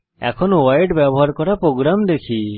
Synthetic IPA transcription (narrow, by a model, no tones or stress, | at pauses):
ɛ̰kʰɔnɔwajʈbɛbɔɦaɾkɔɾapɾoɡɾamd̪ekʰi